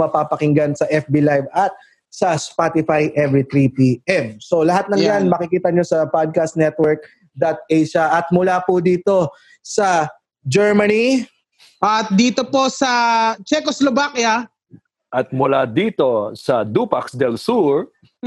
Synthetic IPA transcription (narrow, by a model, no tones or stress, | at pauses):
mɐpaːpɐkɪŋɡansɐʔɛfbilajvɐt̪̚ | sɐspat̪ɪfajʔɛvɹit̪ɾipiʔɛmso̞lɐɦat̪̚nɐŋanmɐkɪkiːt̪ɐɲo̞sɐpad̪̚kast̪nɛt̪wɛɹk̚ | d̪ɐt̪̚ejʃɐʔɐt̪̚mʊlaːpʊd̪iːt̪o̞ | sɐ | d͡ʒɛɹmɐni | ʔɐt̪̚d̪iːt̪opo̞sɐt͡ʃɛkoslobakja | ʔɐt̪̚mʊlad̪iːt̪o̞sɐd̪upaksd̪ɛlsuɹ